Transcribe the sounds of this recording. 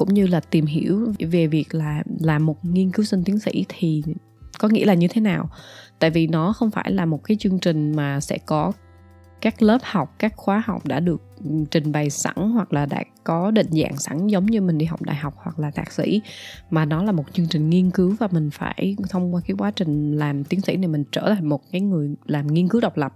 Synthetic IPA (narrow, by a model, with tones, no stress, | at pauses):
kʊ̰˧˥ŋ͡mɲɨ˧laː˨˩t̪i˨˩mɦi˧˩əwve˨˩vi˨˩ək̚laː˨˩laː˨˩mo˨˩t̚ŋi˧ənkɨ˨˦wsi˧nt̪i˨˦əŋsḭ˧˥t̪ʰi˨˩ | kɔ˨˦ŋḭ˧˥laː˨˩ɲɨ˧t̪ʰe˨˦naː˨˩wt̪a̰ː˧˨jvi˨˩nɔ˨˦xə˧wŋ͡mfaː˧˩jlaː˨˩mo˨˩t̚kaː˨˦jt͡ɕɨ˧əŋt͡ɕï˨˩ŋ̟maː˨˩sɛ̰˧˥kɔ˨˦ | kaː˦˥k̚ləː˦˥p̚ha˨˩wk͡p̚kaː˦˥k̚xwaː˨˦ha˨˩wk͡p̚ɗa̰ː˧˥ɗɨ˨˩ək̚t͡ɕï˨˩ŋ̟ɓa˨˩jsa̰˧˥ŋhwa˨˩k̚laː˨˩ɗa̰ː˧˥kɔ˨˦ɗḭ̈˧˨ŋ̟za̰ː˧˨ŋsa˧˩˥ŋzə˨˦wŋ͡mɲɨ˧mï˨˩ŋ̟ɗi˧ɦa˨˩wk͡p̚ɗa̰ː˧˨jɦɔ˨˩wk͡p̚hwa˨˩k̚laː˨˩t̪ʰaː˨˩k̚sḭ˧˥maː˨˩nɔ˨˦laː˨˩mo˨˩t̚t͡ɕɨ˧əŋt͡ɕï˨˩ŋ̟ŋi˧ənkɨ˨˦wvaː˨˩mï˨˩ŋ̟faː˧˩jt̪ʰə˧wŋ͡mkwaː˧kaː˨˦jkwaː˨˦t͡ɕï˨˩ŋ̟laː˨˩mt̪i˨˦ənsḭ˧˥na˨˩jmï˨˩ŋ̟t͡ɕəː˧˩t̪ʰaː˨˩ŋmo˨˩t̚kaː˨˦jŋɨ˨˩əjlaː˨˩mŋi˧ənkɨ˨˦wɗə˨˩wk͡p̚lə˨˩p̚